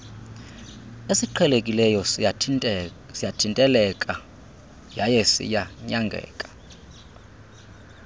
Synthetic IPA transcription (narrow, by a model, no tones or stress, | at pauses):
esiǃʰɛlekʼilɛjɔ | sijatʰintʼɛlɛkʼa | jajɛsḭjaɲaŋɡʱɛ̰ːkʼḁ